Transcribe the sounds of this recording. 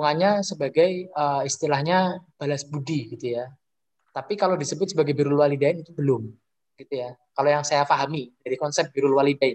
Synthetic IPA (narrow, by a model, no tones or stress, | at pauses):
uŋaɲasəbaɡajəːist̪ilahɲab̥alasbudiɡit̪uja | t̪apikalodisəbʊt̪̚səbaɡajbiɾʊlwalidaɪnit̪ubəlʊm | ɡ̥it̪ujakalojaŋsajafaɦamidaɾikɔnsɛp̚b̥iɾʊlwalidaɪn